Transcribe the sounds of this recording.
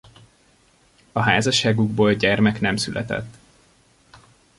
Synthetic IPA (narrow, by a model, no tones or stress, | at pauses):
ɒɦaːzɒʃaːɡuɡboːlɟɛrmɛknɛmsylʔɛ̰t̪ɛ̰t̪ː